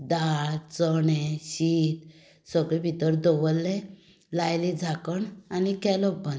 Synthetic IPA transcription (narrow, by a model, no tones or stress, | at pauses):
d̪aɾt͡sɔɳɛɕit̪ | sɔɡɭebʱit̪əɾd̪ɔʋəlːɛ̃ | lajlid͡zʱakəɳanikɛlɔbə̃n